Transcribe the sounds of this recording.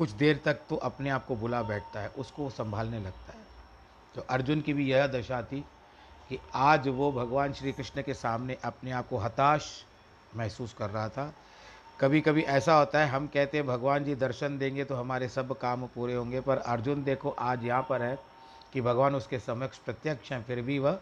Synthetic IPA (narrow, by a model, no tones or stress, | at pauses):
kʊt͡ʃʰd̪eːɾt̪ɐk̚t̪oʔɐpneaːp̚kobʊlabɛːʈʰt̪aɦɛʔʊskosɐ̃mbʱaːlnelɐɡ̚t̪aɦɛː | t̪oːʔɐɾd͡ʒʊnkibʱijɐɦd̪ɐʃat̪ʰi | kiaːd͡ʒʋobʱɐɡʋaːnʃɾiːkɾɪʃnəkesaːmneʔɐpneaːp̚koɦɐt̪aːʃ | mɛɦsuːskɐɾːɐɦat̪ʰa | kɐbʱikɐbʱiʔɛːsaɦoːt̪aɦɛɦɐmkɛɦt̪ẽɦɛ̃bʱɐɡʋaːnd͡ʒid̪ɐɾʃənd̪ẽːŋɡet̪oɦɐmaːɾesɐbkaːmpuːɾeɦõːŋɡepɐɾɐɾd͡ʒʊnd̪eːkʰoʔaːd͡ʒjɐɦãpɐɾɦɛ | kibʱɐɡʋaːnʊskesɐməkʃpɾɐt̪jəkʃɦɛ̃fɪɾbʱiʋəɦ